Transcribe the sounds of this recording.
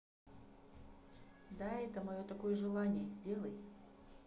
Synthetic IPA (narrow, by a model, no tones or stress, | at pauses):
d̪aɛt̪əmɐjo̞t̪ɐko̞jəʐɨlˠanʲɪjəzʲdʲe̞lˠəj